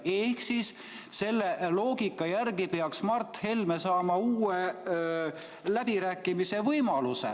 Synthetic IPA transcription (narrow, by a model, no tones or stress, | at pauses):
e̞hksis | se̞lːelo̞ːɡ̥ikːˑɑjærɡ̥ipeɑksmɑrt̪he̞lme̞sɑːmɑuːe | læb̥iɾæːkːˑimise̞vɤjmɑlusḛ